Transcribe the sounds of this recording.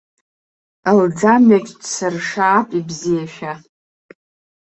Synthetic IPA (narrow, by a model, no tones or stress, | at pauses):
ald͡zamɥakʲʼdsɨrʂaːpʼibzijaʃᶣa